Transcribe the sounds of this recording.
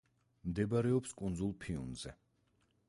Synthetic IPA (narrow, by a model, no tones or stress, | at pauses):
md̪ɛbaɾɛɔpskʼund̪zulˠpʰiṵnzɛ